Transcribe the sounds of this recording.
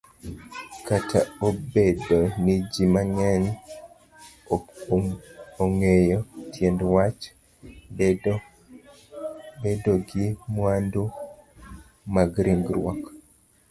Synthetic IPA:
katʰaobedonid͡ʒimaŋɛn | oŋejɔtʰjɛndwat͡ʃ | bedoɡimwanduk | maɡɾiŋɡɾwɔk

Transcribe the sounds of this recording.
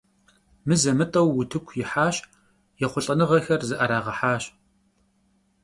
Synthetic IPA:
mɨzɐmɨtʼɐwːʊtʰɨkʷʰjɪħaːɕ | jɛχʷʊɬʼɐnɨʁɐxɐrzɨʔɐɾaːʁɐħaːɕ

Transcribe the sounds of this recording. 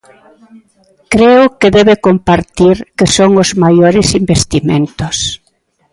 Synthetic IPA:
kɾeʊkɪðɛβekompaɾt̪iɾkɪsoŋʊzmajoɾɪsimbest̪imḛ̃nt̪ʊs

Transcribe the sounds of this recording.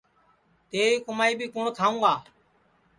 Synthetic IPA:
t̪eːiːkʊmaːiːbʱiːkʊɳt̪ʰaːũːɡaː

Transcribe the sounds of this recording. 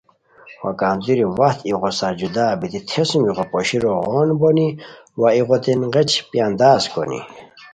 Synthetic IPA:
wakant̪uɾiwat̪iʁosaɾd͡ʑud̪aːbit̪it̪ʰesmiʁopɔɕiɾoʁonboni | waiʁot̪inʁet͡ɕpjand̪aːsko̰nḭ

